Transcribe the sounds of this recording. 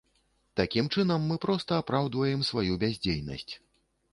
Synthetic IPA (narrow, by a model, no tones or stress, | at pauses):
t̪akʲimt͡ʂɨnɐmːɨpɾɔst̪ɐapɾawd̪vɐjɛmsvajubʲazʲd͡zʲejnɐ̰sʲt͡sʲ